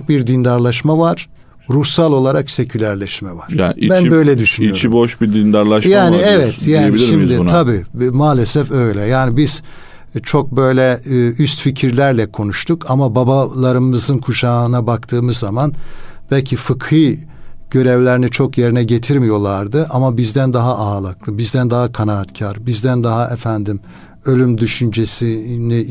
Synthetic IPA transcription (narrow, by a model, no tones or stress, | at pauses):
kbiɾd̪ind̪aɾlˠaʃmavaɾ̥ | ɾuhsalˠo̞lˠaɾakse̞cʰylʲæɾlʲɛʃmɛvaɾ̥jabænbø̞jlʲɛd̪yʃynioɾt͡ʃiboʃbid̪ind̪aɾlˠaʃjaːniɛvɛt̪ʰjaːbiiʃimd̪ɪnʰabimaːlʲɛsɛfø̞jlʲɛjaːnibiz̥ | t͡ʃʰo̞k̚bø̞jlʲɛyst̪ficʰiɾlʲæɾlʲɛkʰo̞nuʃt̪ʰukʰamababalˠaɾɯmɯzɯnkʰuʃaːnabakt̪ʰɯːmɯzːamanb̥ælʲcʰifɯkʰɯː | ɟ̥ø̞ɾɛvlʲeɾinit͡ʃʰo̞kje̞ɾinɛɟe̞t̪ʰiɾmijo̞lˠaɾd̪ɯʔamabizd̪ænd̪aɦaʔaːlˠaklˠɯbizd̪ænd̪aɦakʰanaːt̪cʰaɾbizd̪ænd̪aɦaʔɛfænd̪im | ø̞lʲymd̪yʃynd͡ʒesini